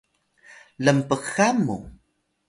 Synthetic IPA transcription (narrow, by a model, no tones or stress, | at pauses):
ləmpəqxamːṵ